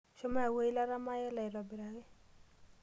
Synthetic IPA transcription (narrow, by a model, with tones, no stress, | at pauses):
ʃo˦ma˦a˨wo˦i˦la˦ɾa˦ma˦jɛ˦la˨ɪ˨lɔ˨bɪ˨ɾa˨ɡɪ˦